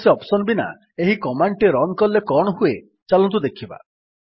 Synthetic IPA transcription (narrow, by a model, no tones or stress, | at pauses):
seɔpsɔnbina̰ | eɦikɔmaɳʈeɾɔŋkɔlːekɔɽ̃ɔɦue | t͡ʃalɔ̃nt̪̬ud̪ekʰiba̰